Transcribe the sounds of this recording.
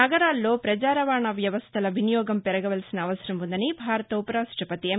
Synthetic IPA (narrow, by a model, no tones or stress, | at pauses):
ɐɡɐɾaːlːo̞ːpɾɐt͡ʃaːɾɐʋaːɳɐʋjɐʋɐst̪ʰɐlɐʋinijɔːɡɐmpɛɾɐɡɐʋɐlɐsinɐːʋɐsɐɾɐmʋund̪ɐnibʱaːɾɐt̪ɐupɐɾaːsʈʰɐpɐt̪iɐ